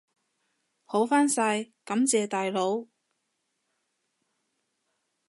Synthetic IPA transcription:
ho˨˥wfaː˥nsa˧jkɐ˨˥mt͡sɛː˧t̪aː˨jlo˨˥w

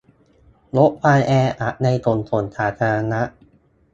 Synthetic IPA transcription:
lo˦˥ʔ̚pʰaː˧jʔɛː˧ʔa˨˩ʔ̚na˧jt̪o˨˩nt̪ʰo˨˩˦nt̪ʰaː˩˦t̪ʰa˧ɾa˧na˦˥ʔ

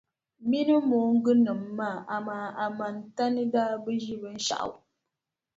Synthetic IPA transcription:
mi˦nɨ˦moː˨˦ŋ̩˦ɡɨ˦nɨ˨mːaː˦˨ʔa˨maː˨a˨ma˨n˨ta˦nɨ˦daː˦bɨ˦ʒi˦bɨ˦n̩˦ʃa̰˨ʔa̰˨w

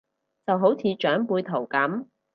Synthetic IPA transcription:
t͡sɐ˨wɦo˨˥wt͡sʰiː˨˧t͡ʃœː˨˥ŋpuː˧jt̪ʰo˨˩wkɐ˨˥m

